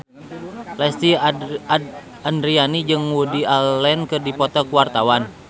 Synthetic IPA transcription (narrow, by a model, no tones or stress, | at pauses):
lɛst̪i | andɾianid͡ʒɨŋwudiallɛnkɨrdipɔt̪ɔkuwart̪awan